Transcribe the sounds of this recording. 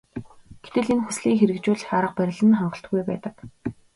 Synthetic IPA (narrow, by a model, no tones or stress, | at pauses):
ɡ̥et̪ɘ̆ɮenxusɮiːŋxeɾɘ̆kt͡ɕʊːɮχaɾə̆q̚pæɾʲɪ̆ɮə̆nχaɴɢə̆ɬt̪̚ɡujpæ̰ːt̪ə̆k